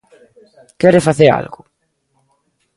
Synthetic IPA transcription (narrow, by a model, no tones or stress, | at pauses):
kɛɾefaθeɾa̰lɣʊ